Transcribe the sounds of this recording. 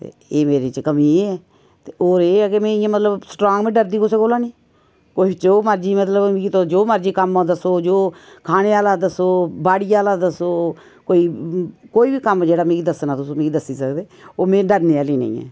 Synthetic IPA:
t̪ḛ | eːmeːɾet͡ʃkəmiːɛː | t̪eːoːɾeːɛːkemɛ̃ːɪjãːmət̪ləbsʈɾoːŋɡmẽːɖəɾd̪iːkʊseːkoːlaːniː | koːit͡ʃoːməɾd͡ʒiːmət̪ləbɡit̪od͡ʒoːməɾd͡ʒiːkəmãːd̪əsoːd͡ʒoːkʰaːneːaːlaːd̪əsoːbaːɽiːaːlaːd̪əsoː | koːiːkoːiːbiːkəmd͡ʒeːɽaːmẽːɡiːd̪əsnãːt̪ʊsũːmẽːɡiːd̪əsːiːsəkd̪eːoːmẽːɖəɾneːaːliːnḛ̃ḭ̃ːɛ̰ː

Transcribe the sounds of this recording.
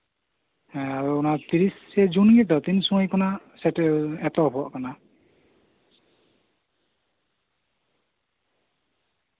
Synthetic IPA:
aɾɔɔnat̪iɾisːɛd͡ʒunɡɛd̪ɔt̪insɔŋɔjkʰɔnasɛtɛɛt̪ɔpʰɔʔkana

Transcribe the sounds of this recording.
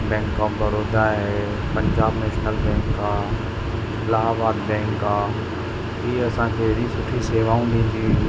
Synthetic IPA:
bɛ̃ːŋkːabəɾoːd̪aɦɛː | pə̃ɲd͡ʒaːbneːʃnəlbɛ̃ːŋkːaː | laːaʋaːd̪bɛ̃ːŋkːaː | iːɐsãkʰeeɽĩsʊʈʰiseːʋaːũd̪ĩːnd̪iː

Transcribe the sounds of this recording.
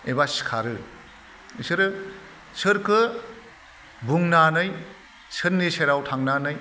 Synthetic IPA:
ebasi̥kʰaɾɯ | isɯɾɯ | sʰɯɾkʰɯ | buŋnanɯj | sʰɯnːiseɾawtʰaŋnanɯj

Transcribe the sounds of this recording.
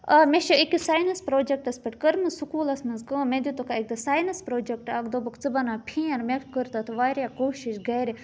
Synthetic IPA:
ɐmeʃɐikisaːjnɐspɾoːd͡ʒek̚ʈɐspɐʈkəɾmɐsukuːlɐsmɐnzkɐmẽd̪it̪okaek̚d̪ɐsaːjnɐspɾoːd͡ʒek̚ʈaːkd̪obɐkt͡sɨbɐnaːpʰĩɐɾmekkəɾt̪ɐt̪ʰʋaːɾjakoːʃiʃɡɐːɾi

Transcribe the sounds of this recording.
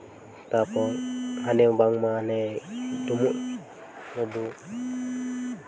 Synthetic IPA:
t̪apɔŋanɛubaŋmaːnɛdumuʔ | nɔdu

